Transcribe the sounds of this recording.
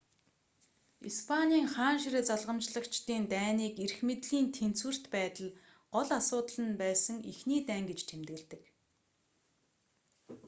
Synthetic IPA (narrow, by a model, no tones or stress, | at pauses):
ispʰanʲiːŋχaːnʃiɾĕt͡saɮʁə̆mt͡ɕɮə̆kt͡ɕt̪iːnt̪æːniːkerxmet̪ɮiːnt̪ʰen̥t͡swɘ̆r̥t̪pæːt̪ə̆ɮ | ɢɔɮasʊːt̪əɮə̆npæːsə̆ŋixniːt̪æːŋɡet͡ɕt̪ʰemt̪ɣɘ̆ɮt̪ɘ̆k